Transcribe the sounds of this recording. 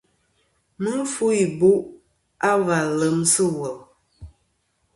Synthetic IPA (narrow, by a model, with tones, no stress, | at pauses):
mɨ˦n˦fu˦i˨bu˦ʔ | a˦va˨lə˨msə˦wə˨l